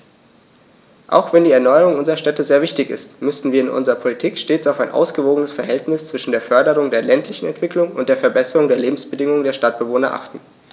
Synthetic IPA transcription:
ʔa̰ʊxv̥ɛndiːɛɐnɔʏəʁʊŋʔʊnzəʁɐʃtɛtəzeːɐvɪçtɪçɪ̰stmʏsn̩viːɐɪnʔʊ̰nzəʁɐpʰolitʰiːkʃteːt͡saʊfaɪnʔa̰ʊsɡ̥əvoːɡənəsfɛɐɦɛltnɪst͡sv̥ɪʃn̩deːɐfœɐdəʁʊŋdeːɐlɛntʰlɪçn̩ɛ̰ntv̥ɪklʊŋʊ̰nt̚d̥eːɐfɛɐbɛsəʁʊŋdeːɐleːbm̩sb̥ədɪŋʊŋəŋdeːɐʃtat̚b̥əvoːnɐʔa̰χtn̩

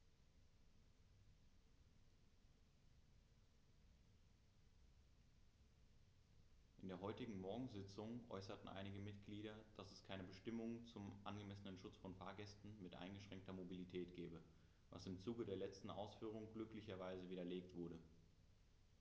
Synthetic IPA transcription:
ʔɪndeːɐɦɔʏtɪɡŋ̩mɔɐɡŋ̩zɪt͡sʊŋʔɔ̰ʏsɐtn̩ʔa̰ɪnɪɡəmɪtɡ̥liːɾɐd̥asɛskʰaɪnəbəʃtɪmʊŋt͡sʊmʔanɡəmɛsənənʃʊt͡sfɔnfaːɐɡɛstn̩mɪtʔa̰ɪnɡəʃʁ̥ɛŋk̚tɐmobilitʰɛːtɡ̥ɛːbə | va̰sɪmt͡suːɡədeːɐlɛt͡stn̩ʔa̰ʊsfyːʁ̞ʊŋɡlʏklɪçɐvaɪzəviːdɐleːktv̥ʊɐɾə

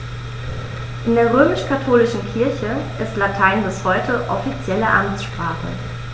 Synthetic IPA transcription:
ʔɪndeːɐʁ̞øːmɪʃkʰatʰoːlɪʃn̩kʰɪɐçəʔɪstlatʰaɪnbɪshɔʏtʰəʔɔfit͡sjɛləʔamt͡ssʃpʁ̥aːχə̰

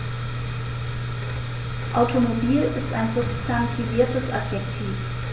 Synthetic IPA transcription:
ʔaʊtʰomobiːlɪstaɪnzʊpstʰantʰiviːɐtəsʔapjɛktʰiːf

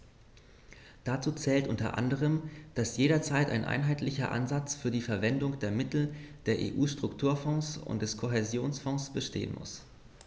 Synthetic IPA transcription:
d̥at͡suːt͡sɛːltʔʊntɐ̰ʔa̰ndəʁ̞əmd̥asjeːɾɐt͡saɪta̰ɪnʔa̰ɪnɦaɪtlɪçɐ̰ʔa̰nzat͡sfyːɐdiːfɛɐvɛndʊŋd̥eːɐmɪtl̩d̥eːɐʔḛːʔuːʃtʁ̥ʊktʰuːɐfɔ̃ŋsʊ̰nt̚d̥ɛskʰoɦezjoːnsfɔ̃ŋsb̥əʃtʰḛːə̰nmʊ̰s

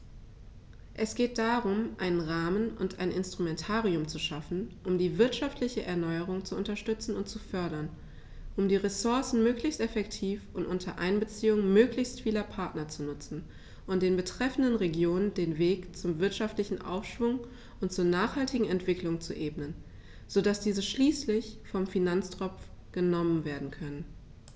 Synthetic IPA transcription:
ʔɛsɡ̥eːt̚d̥aʁʊmʔaɪnənʁaːmənʊntʔa̰ɪnɪnstʁ̥umɛntʰaːʁiʊmt͡suʃafn̩ʔʊmdiːvɪɐtʃaftlɪçəʔɛɐnɔʏəʁ̞ʊŋt͡suʔʊntɐʃtʏt͡sn̩ʊntt͡sufœɐdɐn | ʔʊmdiːʁesʊɐsn̩møːklɪçstʔɛfɛktʰiːfʊntʔʊntʰɐʔaɪnbət͡siːʊŋmøːklɪçstfiːlɐpʰaɐtnɐt͡sunʊt͡sn̩ | ʔʊnt̚d̥eːnbətʁ̥ɛfn̩dənʁeɡjoːnəndeːnveːkt͡sʊmvɪɐtʃaftlɪçn̩ʔa̰ʊfʃv̥ʊŋ | ʔʊntt͡suːɐnaːχhaltɪɡŋ̩ɛntv̥ɪklʊŋt͡sṵʔeːbnən | z̥odasd̥iːzəʃliːslɪçfɔmfinant͡stʁ̥ɔp͡fɡ̥ənɔmənveːɐdn̩kʰœnən

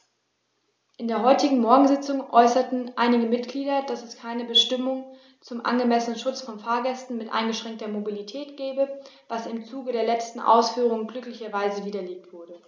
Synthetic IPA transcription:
ʔɪndeːɐɦɔʏtɪɡŋ̩mɔɐɡŋ̩zɪt͡sʊŋʔɔʏsɐtn̩ʔaɪnɪɡəmɪt̚ɡ̥liːdɐd̥asɛskʰaɪnəbəʃtɪmʊŋ | t͡sʊmʔa̰nɡəmɛsənənʃʊt͡sfɔnfaːɐɡɛstn̩mɪtʔa̰ɪnɡəʃʁ̥ɛŋk̚tɐmobilitʰɛːtɡ̥ɛːbəvasɪmt͡suːɡəɾeːɐlɛt͡stn̩ʔa̰ʊsfyːʁ̞ʊŋənɡlʏklɪçɐvaɪzəviːdɐleːk̚tv̥ʊɐdə

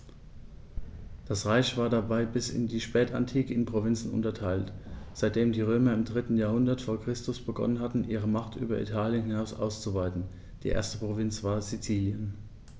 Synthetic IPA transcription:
d̥asʁaɪçv̥aːɐdabaɪbɪsɪ̰ndiːʃpɛːta̰ntʰiːkəɪnpʁ̥ovɪnt͡sn̩ʊ̰ntɐtʰaɪltz̥aɪt̚d̥eːmdiːʁ̞øːmɐɪmdʁɪtn̩jaːɐɦʊndɐtfoːɐkʁ̥ɪstʊsb̥əɡɔ̰nənɦatn̩ʔiːʁ̞əmaχtʔy̰ːbɐ̰ʔḭtʰaːljənhɪnaʊsʔa̰ʊst͡suvaɪtn̩ | d̥ḭːʔḛːɐstəpʁ̥ovɪnt͡sv̥aːɐzit͡siːljən

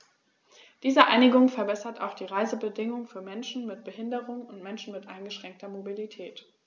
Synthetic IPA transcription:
d̥iːzəʔaɪnɪɡʊŋfɛɐbɛsɐtʰa̰ʊxd̥iːʁaɪzəbədɪŋʊŋfyːɐmɛnʃn̩mɪt̚b̥əɦɪndəʁʊŋʊntmɛnʃn̩mɪtʔaɪnɡəʃʁ̥ɛŋk̚tʰɐmobilitʰɛːt

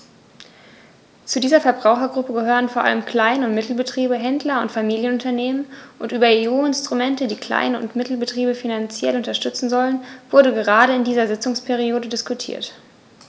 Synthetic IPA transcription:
t͡sudiːzɐfɛɐbʁaʊxɐɡʁʊpəɡəɦøːʁ̞ənfoːɐʔa̰ləmkʰl̥aɪnəʊntmɪtl̩bətʁ̥iːbəɦɛndlɐʊntfamiːljənʊntɐneːmənʔʊntʔyːbɐeoːɪnstʁ̥umɛntədiːkʰl̥a̰ɪnəʊ̰ntmɪtl̩bətʁ̥iːbəfinant͡sjɛ̰lʊntɐʃtʏt͡sn̩zɔlənvʊɐdəɡəʁaːɾəɪndiːzɐzɪt͡sʊŋspʰɛʁ̞ioːdədɪskʊtʰḭːɐt

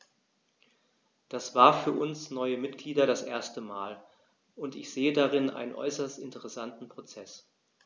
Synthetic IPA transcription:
d̥asv̥aːɐfyːɐʔʊnsnɔʏəmɪtɡ̥liːdɐɾasʔeːɐstəmaːl | ʔʊntɪçz̥eːədaʁɪnʔa̰ɪnənʔɔ̰ʏsɐstɪntəʁɛsantn̩pʁ̥ot͡sɛs

